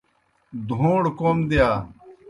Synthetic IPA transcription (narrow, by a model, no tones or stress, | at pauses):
d̪ʱõːɽkoːmd̪ijaː